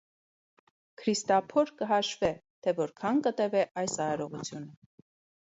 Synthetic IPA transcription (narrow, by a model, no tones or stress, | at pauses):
kʰɾist̪ɑpʰɔɾkəɦɑʃvɛt̪ʰɛvɔɾkʰɑnkət̪ɛvɛʔɑjsɑɾɔʁut͡sʰjunə